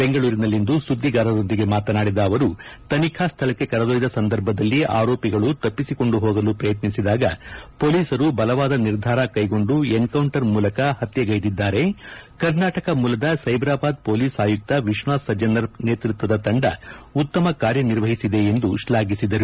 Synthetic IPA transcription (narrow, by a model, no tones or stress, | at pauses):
b̥e̞ŋɡɐɭuːɾinɐlːind̪usud̪ːiɡaːɾɐɾo̞nd̪iɡe̞maːt̪ɐnaːɽid̪ɐːʋɐɾut̪ɐnikʰast̪ʰɐlɐkːe̞kɐɾɐd̪oːjid̪ɐsɐnd̪ɐɾbʱɐd̪ɐlːia̰ːɾoːpiɡɐɭut̪ɐpːisiko̞ɳɖuɦoːɡɐlupɾɐjɐt̪nisid̪aːɡɐ̰po̞ːliːsɐɾubɐlɐʋaːd̪ɐniɾd̪ʱaːɾɐkɐjɡo̞ɳɖuenkɐwɳʈɐɾmuːlɐkɐhɐt̪jɐɡɐjd̪id̪ːaːɾe̞kɐɾnaːʈɐkɐmuːlɐd̪ɐsɐjbɾaːbaːd̪̚po̞ːliːsaːjuk̚t̪ɐʋiʃʋaːsːɐd͡ʒɐnɐɾne̞ːt̪ɾut̪ʋɐd̪ɐt̪ɐɳɖɐ̰ut̪ːɐmɐkaːɾjɐniɾʋɐɦisid̪e̞ːnd̪uʃlaːɡisid̪ɐɾu